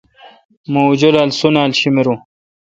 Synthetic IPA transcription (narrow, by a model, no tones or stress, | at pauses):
mowd͡ʑolalsunaːlɕimeɾu